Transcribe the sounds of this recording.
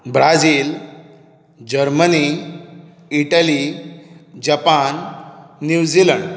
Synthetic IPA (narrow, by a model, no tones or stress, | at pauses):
bɾad͡ziːl | d͡ʑəɾməni | iʈali | d͡ʑapanː | juwd͡ʑiləɳɖ